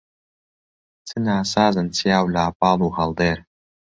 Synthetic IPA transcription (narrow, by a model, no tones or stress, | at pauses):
t͡sʰɨnaːsaːzɨnt͡sʰijaːwlaːp̚ɑːlˠuːhɐlˠd̪eːɾ